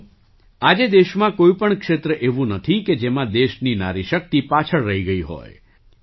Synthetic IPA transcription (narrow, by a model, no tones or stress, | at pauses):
ad͡ʒed̪eʃmãkoipəɳkʃet̪ɾəʔeʋũnət̪ʰiked͡ʒemãd̪eʃnina̰ɾiʃək̚t̪ipat͡ʃʰəɭɾəɦiɡəiɦɔ̰j